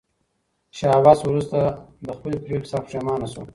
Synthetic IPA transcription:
ʃɑwɑswɾust̪ad̪əxpəlipɾeksɑfʂemɑːnaso

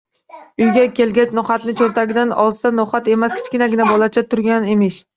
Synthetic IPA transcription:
ʊjɡʲakʲʰe̞lɡʲat͡ʃnɒχat̪nɪt͡ʃʰoɾt̪ʰaɡʲɪd̪anɒzsanɒhat̪e̞maskʲʰɪ̥t͡ʃkʲɪnaɡʲɪnabɒlˠat͡ʃʰat̪ʰʊɾɡʲanemɪʃ

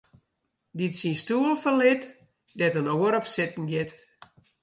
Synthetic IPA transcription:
ditsinstuəlˠfəlɪt | dɛtənoːəɾɔpsɪtn̩ɡɪt

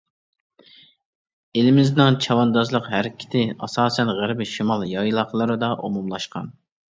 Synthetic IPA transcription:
elɪmɪznɪŋt͡ʃʰɑwɑnd̪ɑzlˠəqɦæɾɪkʲʰɪ̥t̪ʰɪɑsɑːsɛnʁæɾbɪʃimɑlˠjɑjlˠɑχlˠɨɾɨd̪ɑʔumumlˠɑʃqɑ̰n

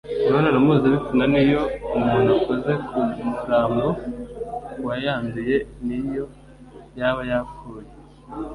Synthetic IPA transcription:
ɾonanomuziβikunanijo̞umunakoze̞kʰuɾaːmbo | wajaːnduje̞nijo̞ | jaβajakuje

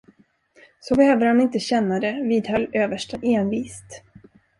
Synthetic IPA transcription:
sɔbɛhøːvəɾhanɪnt̪əɕɛnːad̪ɛviːd̪hœlːøːvəʂʈaʔeːnviːst̪

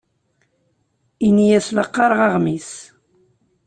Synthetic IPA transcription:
inijæsləqːɑɾˤʁɑʁmis

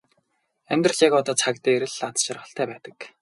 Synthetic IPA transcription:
æmʲt̪rə̆t͡ɕakɔt̪ɔːt͡sʰak̚t̪æːeɾɘ̆ɮat͡s̪ʃarχə̆ɬt̪ʰæːpæːt̪ə̥̆k

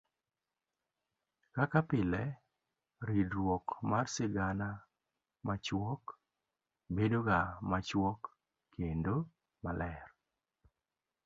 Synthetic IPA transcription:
kakapɪlɛ | ɾidɾwɔkmarsɪɡana | mat͡ʃwɔk | bedoɡamat͡ʃwɔkː | endo | malɛr

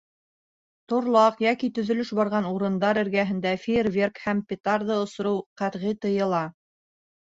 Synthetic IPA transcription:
t̪ŏɾlˠɑqjækit̪ɵ̆ðɵ̆lɵʃbɑɾʁɑnuɾɤ̆nd̪ɑɾɘ̆ɾɡæɦɘ̆nd̪æfirvʲerkhæmpʲet̪ɑrðɤŏsŏɾɤwqæɾʁit̪ɤ̆jɤ̆lˠɑ

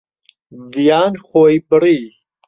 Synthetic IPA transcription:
vijaːnχoːjbɨriː

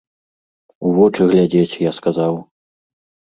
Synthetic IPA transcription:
uvɔt͡ʂɨɣlʲad͡zʲet͡sʲjaskazaw

